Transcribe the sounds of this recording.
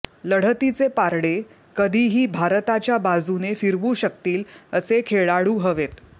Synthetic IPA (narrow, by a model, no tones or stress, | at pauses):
ləɽ̤ət̪it͡sepaɾɽe | kəd̪ʱiːɦiːbʱaɾt̪at͡ɕjabad͡zunefiɾʋuːɕək̚t̪iːləsekʰeɭaɽuːɦəʋet̪